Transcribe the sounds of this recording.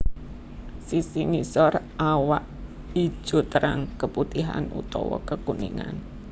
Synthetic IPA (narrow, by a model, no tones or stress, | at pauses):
sisiŋisɔrʔawaʔ | i̥ʒ̥o̤t̪əɾaŋkəput̪iɦa̰nṵt̪ɔwɔkəkuniŋan